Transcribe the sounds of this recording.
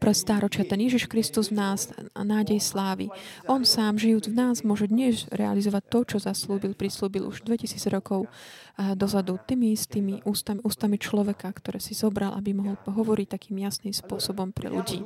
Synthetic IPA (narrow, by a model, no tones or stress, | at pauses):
pɾɛt̪st̪aːɾɔt͡ʃɪat̪ɛnjɛʒiʃkɾist̪uzvnaːznaːɟɛjslaːʋḭʔɔnsaːmʒijuːd͡zvnaːzmʊɔʒɛd̪ɲɛzɾɛ̰a̰lizɔʋac̚t̪ɔt͡ʃɔzasluːbilpɾisluːbilṵʒd̪ʋɛcisiːd͡zɾɔkɔʊd̪ɔzad̪ut̪iːmiist̪iːmiʔuːst̪amuːst̪amit͡ʃlɔʋɛkakt̪ɔɾɛːsizɔbɾalʔa̰bimɔɦɔlɦɔʋɔɾic̚t̪akiːmjasnimspʊɔsɔbɔmpɾɛ̰ʎṵɟḭː